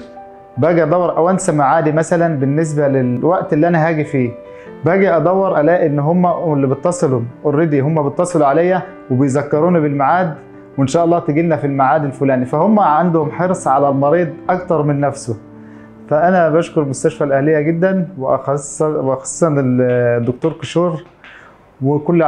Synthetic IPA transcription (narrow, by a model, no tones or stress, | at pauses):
bæːɡiʔɑd̪ˤɑwːeɑɾˤʔæwænsæmaʕaːd̪imæsælænbenːes̬bælelwæʔt̪ʔelːiʔænæɦæːɡifiː | bæːɡiʔæd̪ˤæwːeɾˤʔælæːʔʔenːɦomːælːibet̪ːɑsˤelomʔoɾːed̪iːɦomːæbet̪ˤːɑsˤɨluʕalæjːæ | webejzækːɑɾuːnibelmaʕaːd̪ | wenʃæːʔɑlˤːɑːht̪eɡilnæfilmaʕaːd̪elfolæːnifæhomːæʕand̪ʊhomħeɾsˤʕalælmɑɾiːd̪ˤʔɑkt̪ɑɾˤmenːæfso | fæʔænæbæʃkoɾmʊst̪æʃfælʔæhlejːæɡed̪ːænweʔ | ʔxɑ̥sˤːsɑneld̪ːok̚t̪oːɾkeʃuːɾ | wekolː